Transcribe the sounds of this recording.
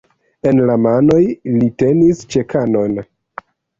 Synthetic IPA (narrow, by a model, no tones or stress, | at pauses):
e̞nlamanojlite̞nist͡ʃe̞kano̞n